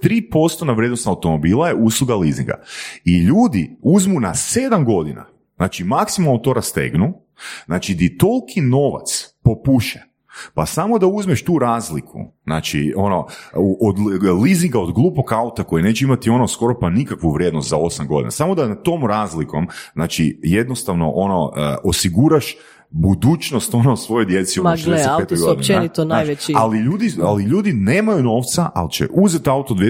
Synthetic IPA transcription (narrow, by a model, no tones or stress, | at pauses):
t̪ɾiːpo̞st̪onaʋɾʲjed̪nost̪aut̪o̞mo̞biːlˠajeʔuslˠuɡalizḭŋɡa̰iʎuːd̪iuzmunase̞d̪amɡo̞d̪ina̰ | znaːt͡ʃimaksimalˠnot̪oɾast̪ḛɡnu | znaːt͡ʃid̪it̪o̞lˠkʰino̞ʋa̰t̪spo̞puʃe | pasamo̞d̪auzmeʃt̪uːɾaːzlikʰṵznaːt͡ʃḭono̞uʔod̪liziŋɡaod̪ɡlˠuːpo̞kaut̪ako̞jine̞ːt͡ʃeimat̪io̞nosko̞ɾo̞panikakʋuʋɾjed̪nost̪zao̞samɡo̞d̪ina̰samo̞d̪anat̪o̞ːmɾaːzliko̞mznaːt͡ʃḭje̞d̪no̞st̪aʋno̞̰ʔo̞no̞əʔosiɡuɾaʃ | bud̪uːt͡ʃnost̪o̞nost̪ːʋo̞jo̞jd̪je̞t̪siuaesepet̪oɡoinenit̪onaajeialiʎuːd̪ialiʎuːd̪ine̞ːmajuno̞ːʋt̪saʔa̰lit͡ʃḛʔuzet̪aut̪od̪ʋje